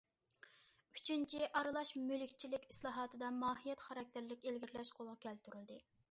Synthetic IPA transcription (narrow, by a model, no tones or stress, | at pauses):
yt͡ʃʰynt͡ʃʰiʔɑɾɨlˠɑʃmølykʲt͡ʃʰilɪkʲi̥slˠɑːɦɑːt̪ʰɨd̪ɑmɑːɦijɛt̪χɑɾɑk̚ʲt̪ʰɪɾlɪkʲelɡʲiɾlɛʃqʰolˠʁɑkʲʰɛlt̪ʰyɾylˠd̪ɨ